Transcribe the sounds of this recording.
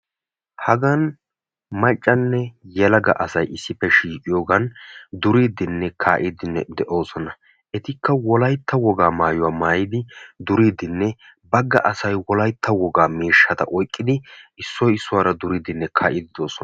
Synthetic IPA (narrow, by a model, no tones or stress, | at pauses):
hɐɡɐn | mɐt͡ʃʼːɐnːɛjɛlɐɡɐ̰ʔɐsɐjɪsːɪpːɛʃiːkʼɪjoːɡɐnd̪ʊɾiːd̪ɪnːɛkʰaːʔɪd̪ɪnːɛd̪ɛʔo̞ːsɔnɐ | ɛt̪ɪkʰːɐwɔlɐjt̪ːɐwɔɡaːmaːjʊwaːmaːjɪd̪ɪd̪ʊɾiːd̪ɪnːɛ | bɐɡːɐʔɐsɐjwɔlɐjt̪ʰːɐwɔɡaːmiːʃːɐt̪ɐ̰ʔɔjkʼːɪd̪ɪɪsːɔjɪsːʊwaːɾɐd̪ʊɾiːd̪ɪnːɛkʰaːʔɪd̪ɪd̪o̞ːsɔ